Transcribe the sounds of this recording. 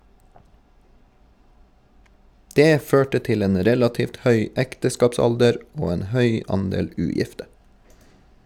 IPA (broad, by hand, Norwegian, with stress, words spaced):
ˈdeː ˈføːʈə ˈtɪl ˈeːn ˈɾɛlɑtiːft ˈhœʏ ˈɛktəˌskɑːpˌsɑldəɾ ˈoː ˈeːn ˈhœʏ ˈɑndeːl ˈʉːˌjɪftə